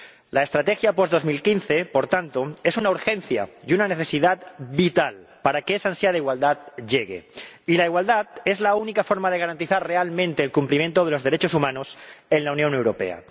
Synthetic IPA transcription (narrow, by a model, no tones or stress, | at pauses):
laest̪ɾat̪exjapo̞zðo̞zmilkinθe̞po̞ɾt̪ant̪oe̞sunauɾxe̞n̟θja̰junaneθe̞siðat̪bit̪alpaɾakeesansjaðaiɣwald̪at̪ʎe̞ɣḛilaiɣwald̪at̪e̞zlaunikafo̞ɾmað̞e̞ɣ̞aɾant̪iθaɾre̞almẽ̞nt̪e̞ːlkumplimje̞nt̪oð̞e̞lo̞zðe̞ɾe̞t͡ʃosumãnose̞nlaunjõ̞ne̞wɾo̞pe̞̰a̰